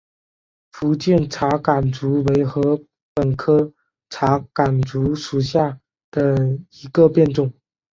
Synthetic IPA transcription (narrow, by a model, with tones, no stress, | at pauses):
fu˧˥t͡ɕjɛ˥˩nʈ͡ʂʰa˧˥ka˨˩nt͡su˧˥we˧˥ɪxɤ˧˥ | pə˨˩nkʰɤ˥ | ʈ͡ʂʰa˧˥ka˨˩nt͡su˧˥ʂu˨˩ɕja˥˩ | d̪̥ə˩i˧˥ɡə˧pjɛ˥˧nʈ͡ʂʊ˥˩ŋ